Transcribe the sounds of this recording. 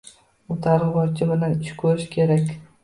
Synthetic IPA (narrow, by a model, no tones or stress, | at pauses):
ʊt̪ʰaɾʁɨbɒɾt͡ʃʰɪbɪlanɪʃkʲʰɵɾɪʃkʲʰe̞ɾakʲ